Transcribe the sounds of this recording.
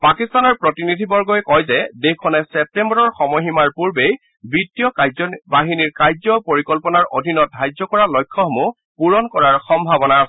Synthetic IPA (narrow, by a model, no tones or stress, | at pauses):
pakistanɔɹpɹɔtinidʱibɔɹɡɔjɛkɔjzɛdekʰːɔnɛsɛp̚tɛmbɔɹɔɹxɔmɔɦimaɹpuɹbej | bitijɔkazɔbaɦiniɹkaɹzɔpoɹikɔlpɔnaɹʔo̰dʱinɔt̚dʱajzɔkɔɹalɔjkʰːɔxɔmu | puɹɔnkɔɹaɹxɔmbʱabɔnaːsɛ